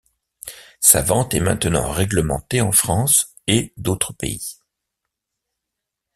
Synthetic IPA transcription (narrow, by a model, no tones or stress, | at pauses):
sa̰vɑ̃t̪ɛmɛ̰̃t̪nɑ̰̃ʁɛɡləmɑ̰̃t̪eɑ̃fχɑ̃s | ed̪ot̪χəpḛi